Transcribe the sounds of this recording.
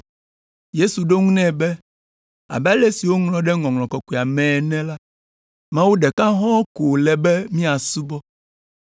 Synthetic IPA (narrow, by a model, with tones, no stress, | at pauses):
je˦su˨ɖo˦ŋũ˦nɛ̃˦bɛ˦ | a̰˨bɛ˦a˦le˦si˨wo˦ŋlɔ̃˨˦ɖɛ˦ŋɔ̃˨ŋlɔ̃˨kɔ˨ke˨a˨mɛ̃˨nɛ̃˦la˦ | mã˦wo˦ɖɛ˨kã˦ɦɔ̃˦ko˨lɛ˨bɛ˦mĩ˦a˨su˦bɔ˦